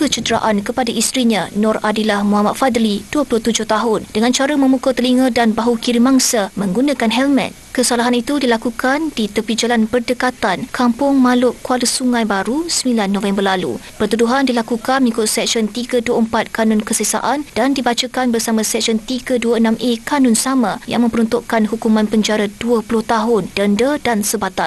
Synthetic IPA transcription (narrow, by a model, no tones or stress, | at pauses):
kət͡ʃədɾa̰ʔankəpadaʔist̪ɾiɲãnɔradilahmũɦamat̪̚fad̪lid̥uəpulʊht̪ud͡ʒʊht̪aɦʊnd̥əŋant͡ʃaɾəmə̃mukut̪əliŋədanbaɦukiɾimaŋsamə̃ŋɡunãkanɦɛlmɛ̰̃n | kəsalaɦanit̪udilakukandit̪əpid͡ʒalanpərdəkat̪ankampʊŋmalʊʔkualusuŋãjbaɾusmilanːɔ̃fɛmbərlalṵ | pərt̪uduɦandilakukanmĩkʊt̪̚sɛk̚sɔnt̪iɡaduəəmpat̪̚kanʊnkəsəsa̰ʔand̥andibat͡ʃakanbərsamãsɛk̚sɔnt̪iɡaduaənãmekanɔnsamãja̰ŋmə̃mpəɾunt̪ʊʔkanɦukumãnpəɲd͡ʒaɾaduəpulʊht̪aɦʊndəndədansəbat̪a